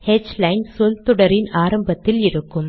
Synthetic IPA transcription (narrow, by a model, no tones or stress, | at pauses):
hɛd͡ʒlɐɪnsɔlt̪ɔɽɐɾɪnaːɾɐmbɐt̪ːɪlɪɾɯkːɯm